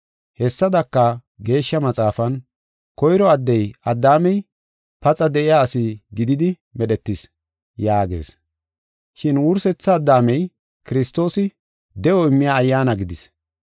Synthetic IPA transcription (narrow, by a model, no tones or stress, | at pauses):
hɛsːɐd̪ɐkːɐ | ɡe̞ːʃːɐmɐt͡sʼaːfɐn | kɔjɾɔɐd̪ːɛjʔɐd̪ːaːmɛj | pɐt͡sʼɐd̪ɛʔɪjaːsɪɡɪd̪ɪd̪ɪ | mɛɗɛt̪ːɪs | jaːɡe̞̰ːs | ʃɪnwʊɾsɛt͡sːɐːd̪ːaːmɛj | kɪɾɪst̪ːo̞ːsɪ | d̪ɛɔɪmːɪjaːjːaːnɐɡɪd̪ɪs